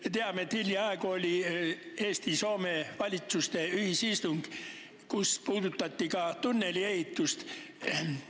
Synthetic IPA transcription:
met̪eɑmet̪hilʲːiɑekoolʲieːst̪iso̞ːmeʋɑlʲit̪sust̪e̞yhisist̪uŋɡ̥ | kuspuːd̪ut̪ːˑɑt̪ʲːikɑt̪unːeliehit̪ːˑust̪

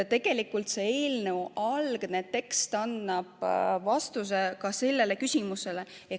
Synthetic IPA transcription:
t̪e̞ɡ̥e̞likːult̪see̞ːlnewʔɑlɡ̥net̪ːe̞kst̪ɑnːɑb̥vɑst̪us̬e̞kɑse̞lːe̞le̞kysʲimuse̞le̞ | e

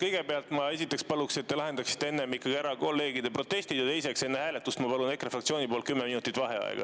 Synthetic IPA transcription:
kɤjɡ̥e̞beɑlt̪ˑmɑe̞sit̪ːˑe̞kspɑlukse̞t̪ːe̞lɑɦe̞nd̪ɑksi̥t̪ːee̞nːemikːˑɑɡiæɾɑko̞lːe̞ːɡid̪e̞pro̞t̪ːe̞sʲt̪id̪jɑt̪e̞jse̞kse̞nːehæːle̞t̪ːˑust̪mɑpɑlune̞kːrefrɑkt̪sʲioːnipol̚kymːeminut̪ːˑit̪vɑɦe̞ɑ̰ḛɡ̥ɑ̰

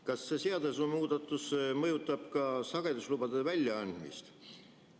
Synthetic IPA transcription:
kɑsːe̞seɑd̪esumuːd̪̥ɑt̪ːˑusmɤjut̪ːˑɑb̥kɑsɑɡ̥e̞d̪uslub̥ɑd̪̥evælʲjɑɑnd̪̥mḭst̪

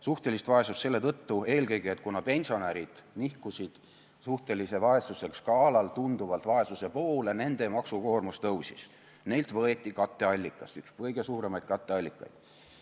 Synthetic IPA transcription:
suht̪e̞list̪vɑe̞sust̪se̞lːe̞t̪ɤt̪ːue̞ːlkɤjɡiet̪̚kunɑpe̞nʲsio̞næɾid̪̥nihkusid̪̥ | suht̪e̞lise̞vɑe̞suse̞kskɑːlɑlt̪und̪uvɑlt̪vɑe̞suse̞po̞ːlene̞nd̪e̞mɑksuko̞ːrmust̪ɤwsḭs | ne̞jlt̪vɤ̞e̞t̪ʲːikɑt̪ːe̞ɑlʲːikːˑɑst̪ykspɤjɡ̥e̞suːɾe̞mɑjd̪̥̚kɑt̪ːˑe̞ɑlʲːikːˑɑ̰jd̪̥

